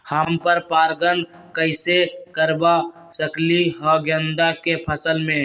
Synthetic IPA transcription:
hampəɾpaɾɡən | kəɪsekəɾba | səkliɦɔɡjənd̪akepʰəsəlmẽ

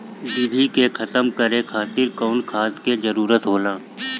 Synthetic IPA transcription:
dibʱikexʰət̪əmkəɾekʰaːt̪ɪɾkɔːnkʰaːt̪kezəɾuːɾət̪ɦoːlaː

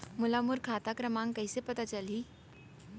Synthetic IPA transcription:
mulamuɾkʰat̪akɾəmãŋkəjsepət̪at͡ʃəliː

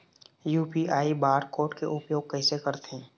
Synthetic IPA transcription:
juːpiʔaːibaːɾkoːʈkeʔʊpjoːɡ̚kəɪsekəɾt̪eɛ̃ː

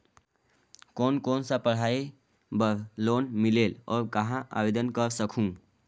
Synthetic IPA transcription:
konkonsapəɽ̤ai | bəɾlonmilelɔ̰ːɾkəɦãʔa̰bed̪ənkəɾsəkʰũ

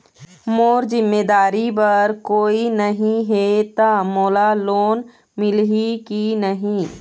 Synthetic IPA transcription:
moːɾzɪmːeːd̪aːɾibɐɾkoːinəɦĩɦet̪amoːlaloːn | mɪlɦikinəɦĩː

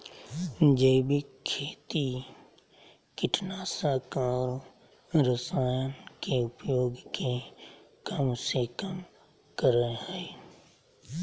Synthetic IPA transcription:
d͡ʒeːbɪkʰːeːt̪i | kɪʈʰnaːsaːkaːɾ | ɾəsaːjənkeʊpjoːɡkekəmsekəm | kəɾeɦɛː

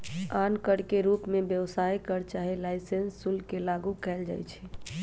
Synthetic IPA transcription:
ankəɽkeɾupmebjəwsajkəɾt͡ʃaɦilaɪsensːulkelaɡukɛld͡ʒa̰ːjt͡ʃʰɛ̥

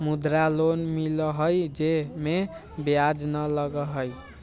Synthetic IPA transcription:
mud̪ɾalonmiləɦəjd͡ʒeme | bjad͡ʒnələɡəɦəj

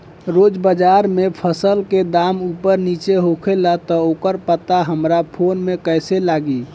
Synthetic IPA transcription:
ɾod͡ʒbəd͡ʒaɾmepʰəsəlked̪amupəɾnit͡ʃeɦokʰelat̪ɔokəɾpət̪aɦəmɾapʰonmekəselaɡi

